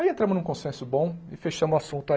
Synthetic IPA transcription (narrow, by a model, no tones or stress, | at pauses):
iẽnt̪ɾɐ̃mʊznũkõsẽsʊbõɪfeʃɐ̃mʊasũnt̪ʊa